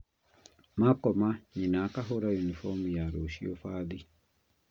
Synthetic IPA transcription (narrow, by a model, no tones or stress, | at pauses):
makɔmaɲinakaɦoɾajunifɔmujaɾoʃio̰faði